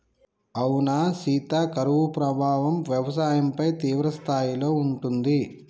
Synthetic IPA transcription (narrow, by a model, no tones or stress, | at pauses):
ɐwnasiːt̪aːkɐɾuʋupɾɐbʱaːʋɐmʋjɛʋɐsaːjɐmpɐjt̪iːʋɾɐst̪ʰaːjilo̞ːuɳʈund̪i